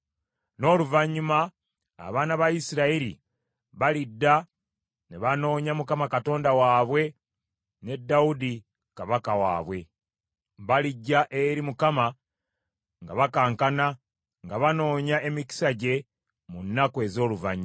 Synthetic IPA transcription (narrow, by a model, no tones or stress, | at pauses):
no̞ːluvaɲːuma̰ː | βaːnaβajisiɾaiɾḭ | βalidːa | neβano̞ːɲamukamakato̞ːndawaːβwe̞ | ne̞dːaudi | kaβakawa̰ːβwe̞ | βaliɟːaʔeɾimukama | ŋɡaβakaːŋkana | ŋɡaβano̞ːɲaʔe̞miki̥saɟe̞ | munːakoe̞zo̞ːluvaɲːu